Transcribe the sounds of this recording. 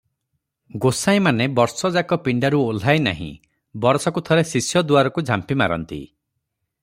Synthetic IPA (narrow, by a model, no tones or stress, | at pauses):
ɡosaj̃ĩmanebɔɾsɔd͡ʒakɔpiɳɖaɾuol̤ajna̰ɦḭ̃ | bɔɾsɔkut̪ʰɔɾesisjɔd̪uaɾɔkud͡ʒʱampima̰ɾɔ̰nt̪ḭ